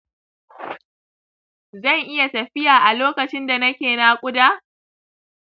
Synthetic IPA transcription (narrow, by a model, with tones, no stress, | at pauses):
zɐ˦˨ŋʔɪ˦ja˨tɐ˨ɸɪ˦jaː˨ʔa˨loː˦kɐ˨t͡ʃɪ˦nda˨nɐ˦kʲeː˨na˦kʷʼʊ˦daː˦